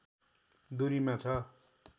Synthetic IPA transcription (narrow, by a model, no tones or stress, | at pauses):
d̪uɾimat͡sʰʌ